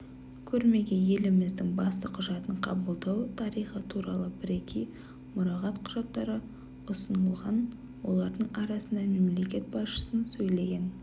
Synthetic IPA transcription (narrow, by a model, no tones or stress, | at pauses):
kʲʰɵɾme̞ɡʲe̞je̞lɪmɪzd̪ɪŋbɑst̪əqʰʊʒɑt̪əɴqʰɑbəlˠd̪ɑwt̪ʰɑɾijχət̪ʰuɾɑlˠəbɪɾe̞kʲʰej | mʊɾɑʁɑt̪qʰʊʒɑt̪ːɑɾə | ʊsənəlˠʁɑn | wo̞̰lˠɑɾd̪əɴɑɾɑsənd̪ɑme̞mle̞kʲe̞t̪̚bɑsʃə̥sənsɵjle̞ɡʲe̞n